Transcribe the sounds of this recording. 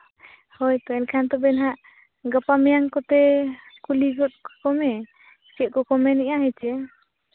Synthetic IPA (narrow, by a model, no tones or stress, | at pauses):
hɔjt̪ɔɛnkʰant̪ɔbɛnɦaʔ | ɡəpamijaŋkɔt̪ɛkuliɡɔt̪̚kɔkɔmɛ | t͡ʃit̪̚kɔkɔmɛniʔaɦɛt͡ʃɛ